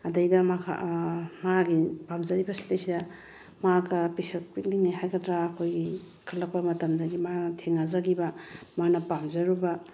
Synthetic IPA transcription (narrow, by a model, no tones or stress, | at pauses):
ɐdɐjdɐma̰maɡipamzɐɾibɐsi̥tejsidɐ | makɐpisɐk̚pit̚linajɦajɡɐdɾaːkʰojɡi | kʰɐlːɐk̚pɐmɐtɐmdɐɡimatʰeŋazaɡibɐmanɐpamzɐɾubɐ